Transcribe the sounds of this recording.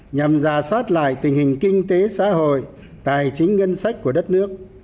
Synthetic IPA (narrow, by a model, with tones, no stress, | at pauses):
ɲa˨˩mzaː˨˩swaː˦˥t̚la̰ː˧˨jt̪ï˨˩ŋ̟hï˨˩ŋ̟kï˧ŋ̟t̪e˨˦sa̰ː˧˥ho̰˧˨j | t̪aː˨˩jt͡ɕï˨˦ŋ̟ŋə˧nsa˦˥k̟̚ku˧˩əɗə˦˥t̚nɨ˦˥ək̚